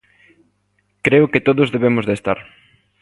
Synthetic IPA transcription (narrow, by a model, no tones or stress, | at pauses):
kɾeʊkɪt̪oðʊzðeβ̞emʊzðest̪aɾ